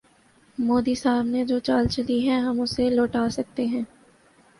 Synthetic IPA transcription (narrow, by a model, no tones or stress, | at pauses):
moːd̪isaːbned͡ʒoːt͡ʃaːlt͡ʃɐliɦɛ̃ɦɐmʊseloːʈaːsɐk̚t̪eɦɛ̃ː